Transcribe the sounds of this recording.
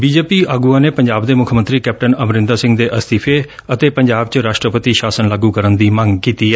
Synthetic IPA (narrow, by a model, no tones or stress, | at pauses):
biːd͡ʒeːpiːaːɡuːãːneːpəɲd͡ʒaːbd̪eːmʊkʰmənt̪ɾiːkɛːp̚ʈənəmɾɪ̃nd̪aːsɪ̃ŋɡd̪eːʔəst̪iːpʰeːət̪eːpəɲd͡ʒaːbt͡ʃɾaːʃʈɾəpət̪iːʃaːsənlaːɡuːkəɾənd̪iːmə̃ŋɡkiːt̪iːɛː